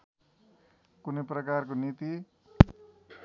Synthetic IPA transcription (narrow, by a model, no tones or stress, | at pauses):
kuneprʌkark̬onit̪i